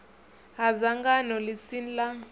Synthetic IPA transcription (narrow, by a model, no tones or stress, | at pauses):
ɦazaŋɡanɔlisinla